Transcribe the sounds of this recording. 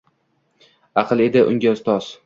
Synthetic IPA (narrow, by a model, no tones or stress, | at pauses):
ɑqʰɨlˠe̞d̪ɪʔʊ̰ŋɡʲaʊzt̪ʰɒz̥